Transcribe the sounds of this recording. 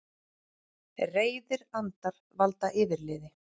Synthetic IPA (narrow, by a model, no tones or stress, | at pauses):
reːjðɪɾant̪aɾ | valt̪aʔɪːvɪɾlɪːðɪ